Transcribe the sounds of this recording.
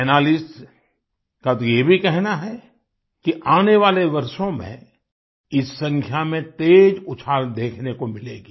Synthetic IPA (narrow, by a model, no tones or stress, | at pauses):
ɛːnaːlɪs | kat̪ojebʱikɛɦnaɦɛ | kiʔaːneʋaːleʋɐɾʃõmḛ̃ | ɪsːɐ̃ŋkʰjamẽt̪eːd͡ʒʊt͡ʃʰaːɾd̪eːkʰnekomɪleːɡiː